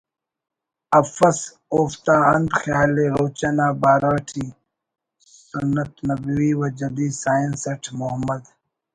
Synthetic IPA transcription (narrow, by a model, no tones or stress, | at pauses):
ɐfɐs | oːft̪aːɐnd̪xjaːleɾoːt͡ʃɐnaːbaːɾaːʈʰiː | sunːɐt̪nɐbwiːwɐd͡ʒɐd̪iːsaːjənsɐʈʰmoɦɐmɐd̪